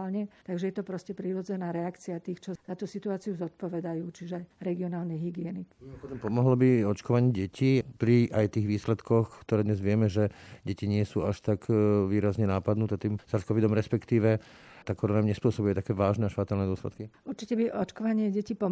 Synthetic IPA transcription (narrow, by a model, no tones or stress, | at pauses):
lɲɛt̪aɡʒɛjɛt̪ɔpɾɔscɛpɾiɾɔd͡zɛnaːɾɛakt͡siat̪iːxt͡ʃɔz̥at̪usit̪uaːt͡siuzɔt̪̚pɔʋɛd̪ajuːt͡ʃiʒɛajɾɛɡiɔnaːlnɛjɦiɡɪɛnikpɔd̪ɔmpɔmɔɦlɔbiɔt͡ʃkɔʋaɲɪɛɟɛcʰipɾiʔajt̪iːɣʋiːslɛt̪kʰɔxkt̪ɔɾɛːd̪ɲɛzʋɪɛmɛʒɛɟɛciɲɪɛsuːaʃt̪akʋiːɾazɲɛnaːpad̪nut̪ɛt̪iːmsaskɔʋid̪ɔmɾɛspɛkt̪iːʋɛt̪aːkɔɾɔnamɲɛspʊɔsɔbujɛt̪akɛːʋaːʒnɛaʃfat̪aːlnɛd̪ʊɔslɛt̪kiʔuɾt͡ʃicɛbiʔɔt͡ʃkɔʋaɲɪɛɟɛcipɔ